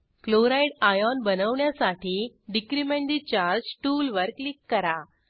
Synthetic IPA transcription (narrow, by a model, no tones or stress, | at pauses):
kloɾajɽajɔnbənəʋɳjasaʈʰiː | ɖikɾimẽɳɖ̪it͡ɕaɾd͡ʑʈuːlʋəɾklikːəɾa